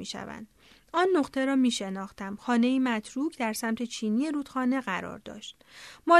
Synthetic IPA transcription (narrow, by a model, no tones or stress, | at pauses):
iːʃæ̰væ̰nd̪̥ | ɒːnːoqt̪ʰe̞ɾɒːmiːʃe̞nɒːxt̪ʰæmxɒːne̞iːmæt̪ʰɾuːkʰd̪æɾsæmt̪ʰe̞t͡ʃʰiːniːje̞ɾuːt̪xɒːne̞ɢæɾɒ̰ːɾd̪ɒ̰ːʃt̪ | mɒː